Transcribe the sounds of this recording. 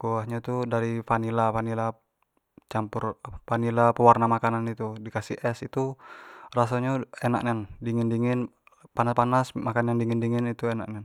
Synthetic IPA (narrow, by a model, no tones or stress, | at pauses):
kuahɲat̪udaɾifanilafanila | t͡ʃampʊrpanilapəwarnamakananit̪udikasḭɛsit̪urasaɲaena̰kɲandiŋɪndiŋɪn | panaspanasmakanandiŋɪndiŋɪnit̪uena̰k̚nan